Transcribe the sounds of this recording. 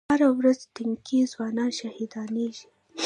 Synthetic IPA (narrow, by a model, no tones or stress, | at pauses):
aɾawɾazt̪ɪŋkizwɑnɑnʃahid̪ɑneʒi̥